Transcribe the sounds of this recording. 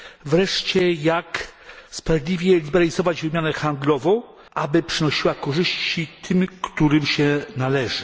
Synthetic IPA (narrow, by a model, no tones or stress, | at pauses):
vɾɛʂt͡ɕɛjakspɾavʲjʲd̪lʲivʲjɛlʲibɛɾalʲizɔvad͡ʑvɘmʲjanɛxand̪lɔvɔ̃w̃ | ʔabɘpʂɘnɔɕiwakɔʐɘɕt͡ɕit̪ʰɘmkt̪uɾɘmɕɛnalɛʐɘ